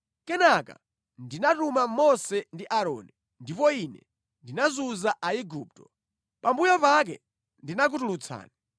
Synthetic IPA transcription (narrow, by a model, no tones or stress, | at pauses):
kɛnaka̰ | ndinatumamɔsɛndiʔaɾɔ̰ːni | ndipɔinɛ̰ | ndinazuzaʔaiɡuːp̚tɔ̥ | pambujɔpak̬ɛ̰ | ndinak̬utulut͡sʰa̰ːna